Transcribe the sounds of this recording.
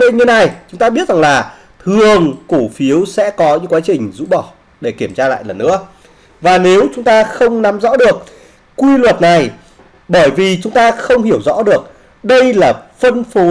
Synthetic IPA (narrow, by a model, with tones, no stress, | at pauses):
lḛ˧˨ɲə˧na˨˩jt͡ɕʊ˨˦ŋ͡mt̪aː˧ɓi˦˥ət̚za˨˩ŋlaː˨˩ | t̪ʰɨ˨˩əŋku˧˩fi˨˦əwsɛ̰˧˥kɔ˨˦ɲɨ̰˧˥ŋkwaː˨˦t͡ɕï˨˩ŋ̟zṵ˧˥ɓɔ˧˩ | ɗe˧˩ki˧˩əmt͡ɕaː˧la̰ː˧˨jlə˨˩nːɨ̰˧˥ə | vaː˨˩ne˨˦wt͡ɕʊ˨˦ŋ͡mt̪aː˧xə˧wŋ͡mna˨˦mzɔ̰˧˥ɗɨ˨˩ək̚ | kwi˧lwə˨˩t̚na˨˩j | ɓəː˧˩jvi˨˩t͡ɕʊ˨˦ŋ͡mt̪aː˧xə˧wŋ͡mhi˧˩əwzɔ̰˧˥ɗɨ˨˩ək̚ | ɗə˧jlaː˨˩fə˧nfo˨˦